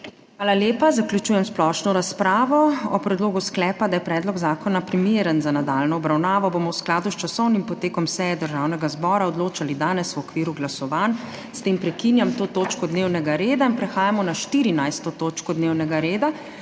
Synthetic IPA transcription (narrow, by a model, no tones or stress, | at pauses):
xʋaːlaljeːpazaklʲjut͡ʃuːjɛmsplɔʃnɔɾaspɾaːʋɔɔpɾɛd̪loːɡusklɛːpad̪ajɛpɾɛːd̪lɔɡzaːkɔnapɾimjeːɾənzanad̪aːlnɔːbɾawnaːʋɔbomɔwsklaːd̪ust͡ʃasɔwnimpɔt̪eːkɔmsɛjɛd̪əɾʒaːwnɛɡazbɔːɾaɔd̪loːt͡ʃalid̪aːnɛswɔkʋiːɾuɡlasɔʋan | st̪eːmpɾɛkinjamt̪oːt̪oːt͡ʃkɔd̪neːwnɛɡaɾeːd̪ainpɾɛxaːjamɔnaʃt̪iɾinajst̪ɔt̪oːt͡ʃkɔd̪neːwnɛɡaɾeːd̪a